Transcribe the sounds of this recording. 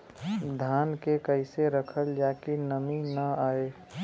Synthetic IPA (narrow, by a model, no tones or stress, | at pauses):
d̪ʱaːnkekəɪseɾəkʰəld͡ʒaːkinəminəaːe